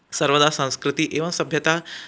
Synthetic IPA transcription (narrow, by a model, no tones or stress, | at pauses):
səɾʋəd̪asə̃w̃skɾɨt̪iːʔeʋənsəbʱjət̪a